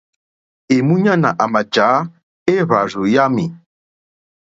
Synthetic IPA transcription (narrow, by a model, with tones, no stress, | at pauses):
e˨mu˦ɲa˦na̰˨ʔa˨ma˨d͡ʒa˨˦ | e˦βa˨zo˨ja˦mi˨